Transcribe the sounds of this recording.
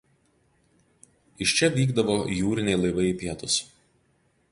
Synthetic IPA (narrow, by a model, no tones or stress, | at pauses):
ɪʃʲt͡ʃʲɛʋʲiːɡd̪ɐʋoːjuːɾʲɪnʲɛɪlˠɐɪʋɐɪpʲiɛt̪ʊs